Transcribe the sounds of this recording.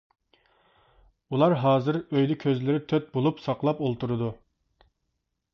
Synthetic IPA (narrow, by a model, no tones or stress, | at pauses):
ulˠɑɾɦɑːzɨɾøjd̪ɪkʲʰøzlɪɾɪt̪ʰøt̪̚bolˠupsɑqlˠɑpolˠt̪uɾɨd̪u